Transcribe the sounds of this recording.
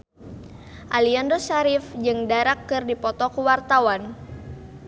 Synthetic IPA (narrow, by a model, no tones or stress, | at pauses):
ʔaliandosaɾifd͡ʒɨŋdaɾakːɨrdipɔt̪ɔkuwart̪awan